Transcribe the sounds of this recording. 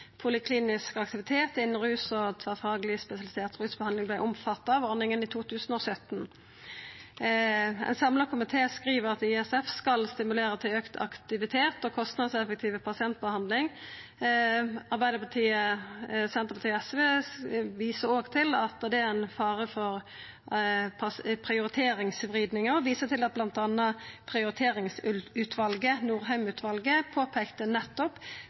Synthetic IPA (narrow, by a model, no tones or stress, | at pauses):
pʰʊlɪkʰliːnɪskɑkt̪ɪʋɪt̪ʰeːt̪ɪnːn̩ʁʉːsɔt̪ʰʋɑfɑːɡəlɪspɛsɪɑlɪseːʁt̪ʁʉːsbəhɑnd̪ɪŋblæɪʔʊmfɑt̪ːɑʋɔɾnɪŋəniːt̪ʰuːt̪ʰʉːsənoːsœt̪ːn | ɛ̰nsɑmlɑkʰʊmɪt̪ʰeːskɾiːʋəʁɑt̪ɪɛsɛfskɑlst̪ɪmʉleːɾət̪ʰɪøːkt̪ʰɑ̰kt̪ɪʋɪt̪ʰeːt̪ɔːkʰɔst̪nɑd̪sɛfək̚t̪ʰiːʋəpʰɑsɪɛnt̪̚bəhɑnd̪lɪŋ | ɑɾʁbæɪd̪əpʰɑt̪ʰiːəsɛnt̪əpʰɑt̪iːəɛsʋeːʋiːsəɾoːɡt̪ʰɪlɑt̪̚ɑd̪ɛæɪnfɑːʁəfɔɾ | ppʰʁɪʊɾɪt̪ʰeːɾɪŋsʋʁiːd̪nɪŋəɔʋiːsət̪ʰɪlɑt̪̚blɑnt̪ɑnːəpʰɾɪʊɾɪt̪ʰeːɾɪŋsʉt̪ʰʋɑlɡənuːɾɦæʏmʉːt̪ʰʋɑlɡəpʰoːpʰɛkt̪ənɛt̪ːɔp